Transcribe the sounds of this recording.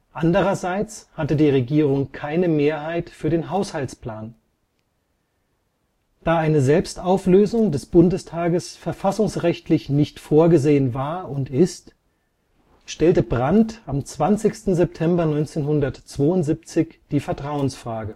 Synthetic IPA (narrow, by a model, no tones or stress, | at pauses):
ʔandəʁ̞ɐzaɪt͡shatədiːʁeɡiːʁ̞ʊŋkʰaɪnəmeːɐhaɪtfyːɐdeːnɦaʊshaltspl̥aːn | d̥aːaɪnəzɛlpstaʊfløːzʊŋdɛsb̥ʊndəstʰaːɡəsfɛɐfasʊŋsʁɛçtʰlɪçnɪçtfoːɐɡəzeːənvaːɐʔʊntɪst | ʃtɛltəbʁantamt͡sv̥ant͡sɪçstn̩zɛp̚tʰɛmbɐnɔʏnt͡seːnhʊndɐtt͡sv̥oːʊntz̥ip̚t͡sɪçd̥iːfɛɐtʁ̥aʊənsfʁ̥aːɡə